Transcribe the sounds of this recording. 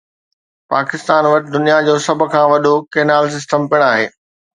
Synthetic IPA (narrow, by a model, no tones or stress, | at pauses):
paːkɪst̪aːnʋɐʈɪd̪ʊnijad͡ʑoːsɐb̆ʱkʰãːʋɐɗokeːnaːls̬ɪsʈəmpɪɽ̃aːɦḛː